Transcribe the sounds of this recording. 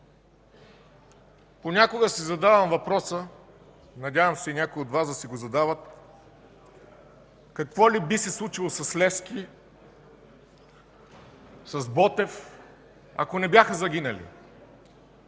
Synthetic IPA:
ponʲakoɡəsizɐd̪avɐmvɐpɾɔsə | nɐdʲavəmsɛinʲakʊiod̪vazd̪ɐsɛɡozɐd̪avət̪̚ | kɐkvɔlibisɛslˠut͡ʃilˠosɐslɛfski | sɐzbɔt̪ɛf | ɐ̰konɛbʲjaxəzɐɡʲinɐlḭ

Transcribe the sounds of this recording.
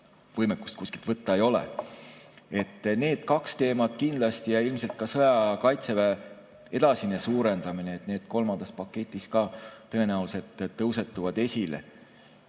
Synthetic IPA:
vɤjmekːˑu̥st̪kusʲkil̥t̪vɤt̪ːˑɑejo̞lḛ | e̞t̪ːne̞ːd̪̥̚kɑkst̪e̞ːmɑd̪̥kind̪lɑst̪ijɑilmselt̪̚kɑsɤjɑkɑjt̪se̞væ | e̞d̪̥ɑsinesuːɾe̞nd̪̥ɑmineːt̪ne̞ːd̪̥ko̞lmɑnd̪̥ɑspɑkːˑe̞t̪ʲːˑiskɑːt̪ɤ̞e̞næuwluse̞t̪ːtːɤwse̞t̪ːuvɑd̪̥e̞sʲile̞̰

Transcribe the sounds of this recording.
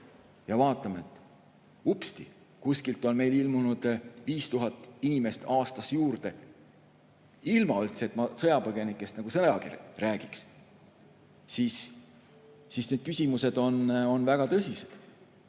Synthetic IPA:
jɑvɑːt̪ˑɑmeet̪ːˑ | upst̪i | kusʲkilt̪ːˑo̞nme̞jlilmunud̪̥viːst̪uɦɑt̪ːˑinime̞st̪ɑːst̪ɑsjuːrd̪̥e̞ | ilmɑylt̪set̪mɑsɤjɑpɤɡe̞nikːˑe̞st̪nɑɡusɤjɑkḭrræːɡ̥iks | sis | isne̞d̪̥̚kysʲimuse̞d̪̥o̞no̞nvæɡ̥ɑt̪ɤsʲised̪̥

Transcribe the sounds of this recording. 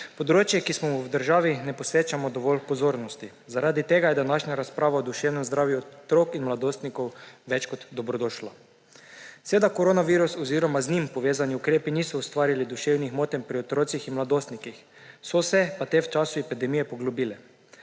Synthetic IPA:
pɔd̪ɾoːt͡ʃjɛkismɔmuwd̪əɾʒaːʋinɛpɔsʋeːt͡ʃamɔd̪ɔʋɔlpɔzoːɾnɔst̪i | zaɾaːd̪it̪eːɡajɛd̪anaʃɲaɾaspɾaːʋaɔd̪uʃeːwnɛmzd̪ɾaːwjut̪ɾokinmlad̪oːst̪nikɔwʋɛt͡ʃkɔt̪d̪ɔbɾɔd̪oːʃla | sʋeːd̪akoɾoːnaʋiːɾusɔziːɾɔmaznimpɔʋeːzaniukɾeːpiniːsɔust̪ʋaːɾilid̪uʃewnixmoːt̪ɛmpɾiɔt̪ɾoːt̪sixinmlad̪oːst̪nikix | sɔsɛpat̪eːwt͡ʃaːsuɛpid̪ɛmijɛpɔɡlubiːlɛ

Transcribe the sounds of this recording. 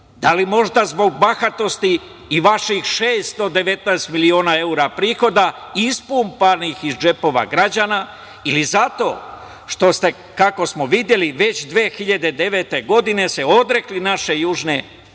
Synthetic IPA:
d̪alimo̞ʒd̪azbo̞ɡ̚baxat̪o̞st̪iː | ʋaʃixʃeːst̪o̞d̪e̞ʋe̞t̪naest̪milio̞ːnae̞uɾapɾiːxo̞d̪a | ispuːmpanixizd͡ʒe̞po̞ːʋa̰ɡɾad͡ʑana | ilizat̪o̞̰ | ʃt̪o̞st̪e̞ | kako̞smoʋid̪je̞liʋe̞t͡ɕd̪ʋeːxiʎad̪e̞d̪e̞ʋe̞t̪e̞ɡo̞d̪ine̞seo̞d̪ɾe̞klinaʃe̞juːʒne̞

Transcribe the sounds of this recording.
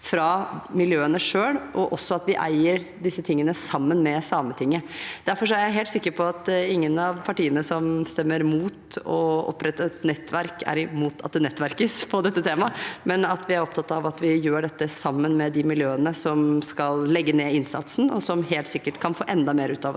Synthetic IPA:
fɾɑmɪljøːənəʂøːlʔɔʔɔsːɔɑt̪ʋɪʔæ̰ɪəɾ | ɖɪsːət̪ʰɪŋːənəsɑmːənmɛsɑmət̪ʰɪŋːəd̪̥æɾfɔɾʂɔæɾjæɪɦeːlt̪sɪkːəɾpʰɔɑt̪ɪŋːənɑʋpʰɑʈiːənəsɔmst̪ɛmːəɾmuːt̪ɔɔ̰pːɾɛt̪ːət̪nɛt̪ːʋæɾkæ̰ɾɪmuːt̪ʰɑ̰t̪̚d̪ɛnɛt̪ːʋæɾkəspʰɔd̪ɛt̪ːət̪ʰeːmɑmɛnɑt̪ʋɪæɾɔp̚t̪ʰɑt̪ːɑʋɑt̪ʋɪjøːɖɛt̪ːəsɑmːənmɛd̪ɪmɪljøːənəsɔmskɑllɛɡːəneːɪnsɑ̰t̪sn̩ɔsɔmɦeːlt̪sɪkːəʈkʰɑnfo̰ːʔɛnd̪ɑmeːɾəʉːt̪ɑʋɔs

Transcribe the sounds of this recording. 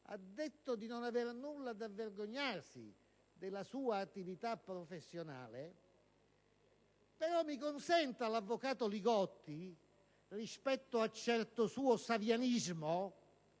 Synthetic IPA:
a̰d̪ːet̪ːod̪inonavernulːad̪avːerɡoɲːarsḭ | d̪ɪlasuːaːt̪ːivit̪apːɾɔfesːjona̰ːle | pɛɾɔmːikʊnsɛnt̪alavːokaːt̪oliɡɔt̪ːi | rispɛt̪ːoat͡ʃːɛrt̪ʊsuːosavjanizmo

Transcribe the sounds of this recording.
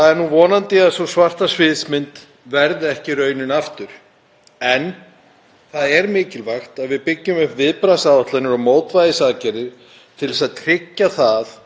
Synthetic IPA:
aðɛɾnuvɔːnant̪ɪaðsɔsvar̥t̪asvɪðsmɪnt̪ | vɛɾðɪɛhcɪrœːɥnʏnaft̪ʏɾ̥ | ɛn | θaðɛɾmɪːcɪlvaxt̪aðvɪðpɪcːʏmʏvvɪðpɾasawɔht̪lanʏɾɔmoːwt̪vajðɪsaːðcɛɾɪ̥ | t̪ʰɪlsaðt̪ʰɾ̥ɪcːaθaθ

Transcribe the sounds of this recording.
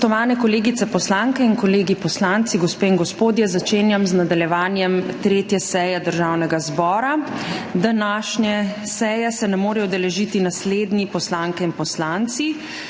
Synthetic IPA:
t̪ɔʋaːnɛkɔleːɡit̪sɛpɔslaŋkɛinkɔleːɡipɔslaːnt̪siɡɔspeːiŋɡɔspoːd̪jɛzat͡ʃeːnjamznad̪aljɛʋaːnjɛmt̪ɾeːt̪jɛsɛjɛd̪əɾʒawnɛɡazbɔːɾad̪anaːʃɲjɛ | sɛjɛsɛnɛmoːɾɛɔd̪ɛlɛʒit̪inasleːd̪nipɔslaːŋkɛinpɔslaːnt̪si

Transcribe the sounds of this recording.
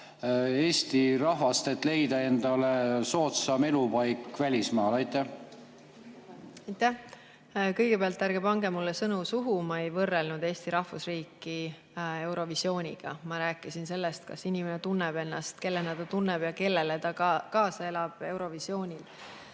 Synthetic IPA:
e̞ːst̪iɾɑɦvɑst̪et̪ˑle̞jd̪ɑe̞nd̪̥ɑleso̞ːt̪sɑme̞lupɑjkːvælʲismɑːlɑjt̪ˑːæh | ɑjt̪ːæh | kɤjɡ̥e̞peɑlt̪ˑːæɾɡ̥e̞pɑŋɡ̥e̞mulːesɤnusuɦumɑe̞jvɤrːelnud̪̥e̞ːsʲt̪iɾɑhfusriːkːi | e̞wɾo̞visio̞ːnʲiɡ̥ɑ̰mɑɾæːkːˑisinse̞lːest̪̚kɑ̰sinʲimenet̪unːeb̥e̞nːɑst̪ke̞lːened̪̥ɑt̪unːeb̥jɑke̞lːeled̪̥ɑkɑːsɑe̞lɑb̥e̞wɾo̞visjo̞ːnʲil

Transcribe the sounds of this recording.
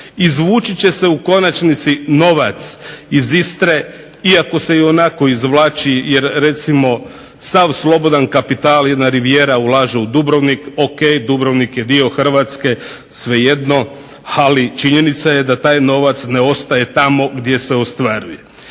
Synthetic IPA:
izʋuːt͡ʃit͡ɕe̞se̞uko̞nat͡ʃnit̪sino̞ʋat̪sizist̪ɾe̞ | iako̞se̞io̞nako̞izʋlˠaːt͡ʃijeɾɾe̞t̪simo̞ | saʋslo̞bo̞d̪ankapit̪aːljed̪naɾiʋjeːɾaulˠaːʒeud̪ubɾoʋnikoke̞jd̪ubɾoʋnikje̞d̪io̞xr̩ʋat̪ske̞ | sʋe̞jed̪no̞ | alit͡ʃiɲe̞nit̪saje̞d̪at̪aːjno̞ʋat̪sneo̞st̪aje̞t̪amo̞ɡd̪je̞se̞ost̪ʋaɾuje

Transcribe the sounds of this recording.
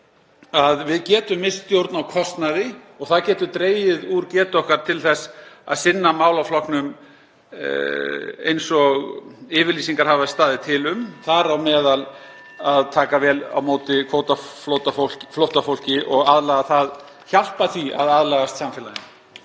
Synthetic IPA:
aðvɪðcɛːt̪ʏmːɪst̪jowɾt̪nawkʰɔst̪naðɪ | ɔɣθaðcɛːt̪ʏt̪ɾeːjɪðuɾcɛːt̪ɔhkaɾ̥t̪ʰɪlθɛsa̰ðsɪnːamaːwlawflɔhknʏm | ḛjnsɔɣɪːvɪɾliːsiŋkaɾ̥haːvast̪aːðɪt̪ʰɪlʏmθaɾawmɛːðal | aðt̪ʰaːkavɛːla̰wmoːwt̪ɪkʰoːwt̪aflowt̪afol̥cflowht̪afowl̥cɪʔɔɣaðlaːɣaθað | çal̥paθvia̰ðaðlaɣast̪samfɛlaðɪn

